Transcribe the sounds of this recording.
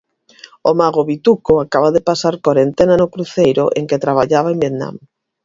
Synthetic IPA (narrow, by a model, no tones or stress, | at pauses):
omaɣ̞oβit̪ukoakaβaðepasaɾkoɾent̪enanokɾuθejɾʊʔḛŋket̪ɾaβ̞aʎaβaembjet̪nã̰m